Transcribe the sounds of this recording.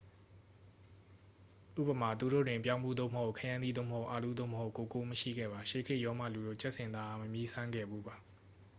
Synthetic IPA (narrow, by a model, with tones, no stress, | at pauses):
ʔṵ˦˨pə˨ma˨t̪u˨ɾo̰˦˨dwɪ̃˨mpjã˦mbu˦˨d̪o̰˦˨məho˦˨ʔkʰɛ˦jã˦nd̪ḭ˦˨o̰˦˨məɦho˦ʊʔa˨lu˦˨d̪o̰˦˨məɦho˦ʊ˨ʔko˨ko˦məʃḭ˦˨ɡɛ̰˦˨ba˨ʃe˨kʰɪ˦˨ʔjɔ˦mä̰˦˨lu˨ɾo̰˦˨t͡ɕɛ˦ʔsɪ̃˨nd̪a˨ʔa˦˨məmji˦sʰã˦ŋɡɛ̰˦˨bu˦ba˨